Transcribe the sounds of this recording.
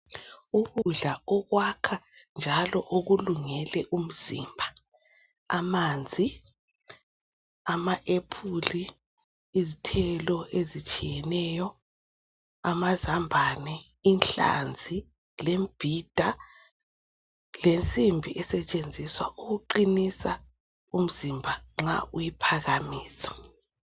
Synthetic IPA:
uɣuɮaɔɣwakʰand͡ʒʱalɔʔoɣuluŋɛlɛʔum̩z̥ḭːmbʱa | amand͡zʱi | amaʔepʰuliː | zitʰɛlɔʔezit͡ʃʼijɛnɛːjɔ | amazambʱanɛ | inɬa̰nd͡zʱi | lemb̥ʱiːd̥ʱa | lent͡sʼimbʱiʔɛsɛt͡ʃʼend͡zʱiswa̰ʔuɣuǃinisa | um̩zimbʱaŋ͡ǁa̰ʔujipʰaɣamiːsḁ

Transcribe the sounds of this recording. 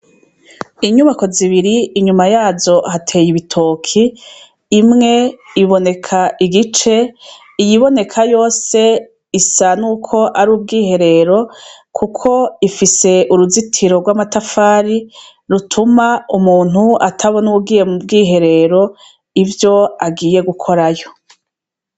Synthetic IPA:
iɲuβako̞ziβiɾiːɲumajaːzo̞hatʰe̞ːjiβitʰo̞ːkʰiː | mŋe̞iβo̞ne̞kʰaʔiɡit͡ʃe̞ | ijiβo̞ne̞kʰajo̞ːse̞ | isanuːkʰo̞ʔaɾuːb̚ɡiːɦe̞ɾe̞ɾo̞ | kʰukʰo̞ifise̞ʔuɾuzitʰiɾo̞ɡwaːmatafaːɾi | ɾutʰumaumuːn̥huatʰaβo̞nubɡiːje̞mubɡiːɦe̞ɾe̞ɾo̞ | ivjo̞aɡiːje̞ɡukʰo̞ɾajo̞

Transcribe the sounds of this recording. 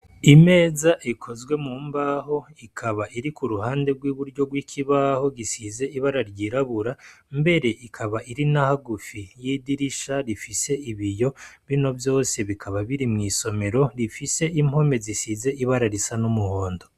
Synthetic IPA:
ime̞ːzaʔikʰo̞zɡwe̞muːmbaːho̞ikʰaβaʔiɾikuɾuhaːnde̞ɡwiːβuɾɟo̞ɡwiːkʰiβaːho̞ɡisize̞iβaɾaɾɟiɾaβuɾa | mbe̞ɾe̞ʔikʰaβaiɾinahaɡufijidiɾiʃaɾifise̞iβijo̞βino̞vjo̞ːse̞βikʰaβaβiɾimŋiːso̞me̞ɾo̞ɾifise̞im̥ho̞me̞zisize̞iβaɾaɾisanumuho̞ːndo̞

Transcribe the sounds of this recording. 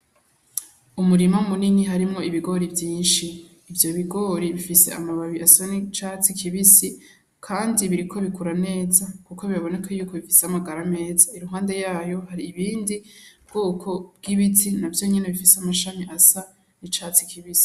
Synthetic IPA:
umuɾimamuniniɦaɾimŋo̞iβiɡo̞ɾivjiːnʃiː | vjo̞βiɡo̞ːɾiβifise̞̰amaβaβiʔasanit͡ʃat͡sikʰiβisi | kʰaːndiβiɾikʰo̞βikuɾane̞ːzakuko̞βiɾaβo̞ne̞kʰajuːko̞βifiseamaɡaɾame̞ːzaiɾuɦaːnde̞jaːjo̞haɾiːβiːndib̚ɡ̥oːkʰo̞b̚ɡiβitinavjo̞ːɲeneβifiseamaʃamiʔasa | nit͡ʃat͡sikʰiβisi̥

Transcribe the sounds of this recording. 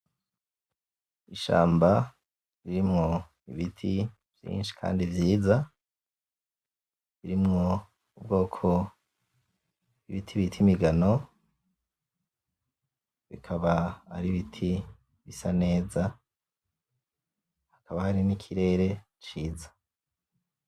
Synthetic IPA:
iʃa̰ːmba | ɾiɾimŋo̞ | ḭβitʰi | v̥jḭːnʃi̥kʰa̰ːndivjiːza | βiɾimŋo̞ | ub̚ɡo̞ːkʰo̞ | iβitʰiβitʰimiɡano̞ | βḭkʰaβaaɾiβitʰi | βisane̞ːza | hakʰaβahaɾinikʰiɾe̞ːɾe̞ | t͡ʃiːzḁ

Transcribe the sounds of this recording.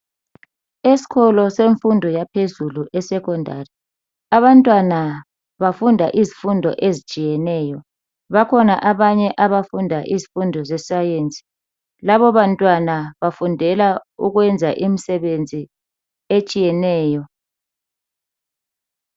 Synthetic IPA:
esi̥ɣʰɔlɔseɱfundʱɔjapʰezuluʔɛsɛkʰɔndʱa̰ri | aβantʼwana | βafundʱaʔizifundʱɔ̰ʔezit͡ʃʼijɛnɛːjɔ | βakʰɔnaʔaβaɲɛʔaβafundʱaʔizifundʱɔzɛsajent͡sʼi̥ | laβɔβantʼwanaβafundʱɛlauɣwɛnd͡zʱa̰ʔimisɛβend͡zʱi | et͡ʃʼijɛnɛːjɔ

